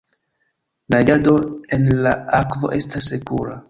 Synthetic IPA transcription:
lajadoenlaakvo̞̰ʔe̞stasːekuɾa

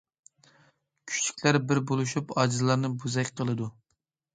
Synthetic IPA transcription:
kʲʰy̥t͡ʃʰi̥kʲlæɾbɪɾbolˠuʃupɑd͡ʒɨzlˠɑɾnɨbuzɛkʲqʰəlˠɨd̪u

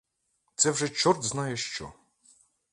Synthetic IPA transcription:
t̪sɛwʒɛt͡ʃɔrd̪znɑjɛʃt͡ʃɔ̰

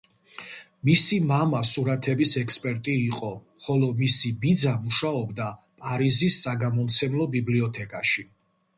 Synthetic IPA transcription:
misimamasuɾat̪ʰɛbisɛkspʼɛɾt̪ʼiːqʼɔ | χɔlɔmisibid̪zamuʃaɔbd̪a | pʼaɾizisːaɡamɔmt̪sʰɛmlˠɔbibliɔt̪ʰɛkʼaʃi

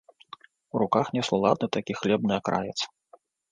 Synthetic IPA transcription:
uɾukaxnʲɛslˠulˠa̰d̪nɨt̪akʲixlʲɛbnɨakɾa̰jɛ̰t̪s

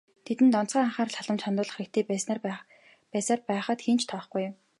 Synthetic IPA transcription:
t̪ʰet̪ɘ̆nt̪ɔn̥t͡sɢaːaɴχaːrɬaɮə̆mt͡ɕχant̪ʊːɮə̆χĭk̚t̪ʰeːs | pæːsaːrpæːχə̆t̪xint͡ɕʰt̪ʰɔːχɡujm

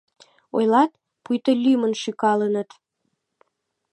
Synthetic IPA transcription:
o̰jlɑt̪̚ | pujt̪əlʲymənʃykɑlənət̪

